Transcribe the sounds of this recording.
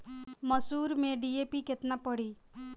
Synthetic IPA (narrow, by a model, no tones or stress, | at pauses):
məsuɾmẽɖiepiket̪napəɽi